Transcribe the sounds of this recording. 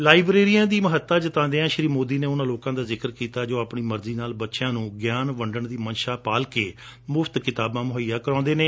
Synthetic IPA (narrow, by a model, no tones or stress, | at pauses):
laːibɾeːɾijãːd̪iːməɦət̪ːaːd͡ʒɪt̪ãːd̪eːãːʃɾiːmoːd̪iːneːʊnãːloːkãːd̪aːzɪkəɾkiːt̪aːd͡ʒoːaːpɳiːməɾziːnaːlbətːʃjãːnũːɡjaːnʋəɳɖəɳd̪iːmənʃaːpaːlkeː | mʊft̪kɪt̪aːbãːmʊɦijaːkəɾãːnd̪eːneː